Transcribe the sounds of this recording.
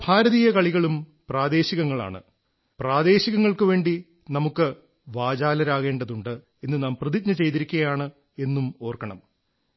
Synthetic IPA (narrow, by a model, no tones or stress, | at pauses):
bʱaːɾɐðijɐkɐɭiɣɐɭumpraːd̪e̞ːɕiɣɐŋːɐɭa̰ːɳɨ̰ | praːd̪e̞ːɕiɣɐŋːɐɭkɨʋe̞ːɳɖi | nɐmukːɨ | ʋaːd͡ʑaːlɐɾaːɣe̞ːɳɖɐðuɳɖɨ | e̞nːɨnaːmprɐðit̚ɲɐt͡ɕe̞jt̪iɾikʲːuɐjaːɳɨ | e̞nːumo̞ːrkɐɳɐ̰m